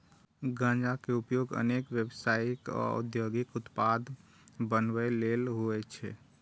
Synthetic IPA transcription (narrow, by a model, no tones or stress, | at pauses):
ɡãːd͡ʒakeupjoɡə̰nekʋjebsaikɔ̰ṵd̪joɡikʊt̪pad̪ | bənwəlelɦoɛt͡ʃʰɛ